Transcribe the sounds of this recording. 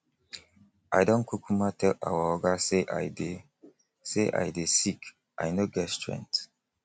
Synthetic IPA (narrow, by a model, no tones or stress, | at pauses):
ʔajdõnkʰukumatʰɛla̰waɔɡaseʔa̰jde | seʔa̰jdesik | ʔa̰jnoɡɛtstɹɛ̰̃nt